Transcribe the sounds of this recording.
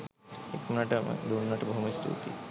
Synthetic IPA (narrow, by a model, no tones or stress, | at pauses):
ḛkunaʈɐmɐ̰d̪unːaʈɐbɐɦumɐst̪ʰṵːt̪ḭ